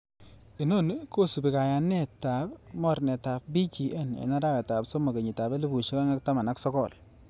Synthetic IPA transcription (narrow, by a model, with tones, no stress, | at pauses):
i˨no˦nko˦˨su˨bi˨ka˨ja˨nːe˦ta˨p | mɔ˦ɾnɛ˨ta˨p̚bi˦t͡ʃi˨ʔe˦nḛ˨na˦ɾa˦jɔ˨ta˨pso˦ma˨ke˨ɲi˨ta˨be˦li˦bu˨ʃi˦ka˦ŋa˦kta˦ma˨na˦ksɔ˦kɔ˨l